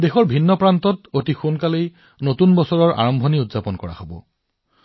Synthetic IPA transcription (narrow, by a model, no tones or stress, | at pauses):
dexɔɹbʱinːɔpɹantɔtotixunkalej | notunbɔsɔɹɔɹa̰ɹɔmbʱoniutz̥apɔnkɔɹa̰xobɔ̰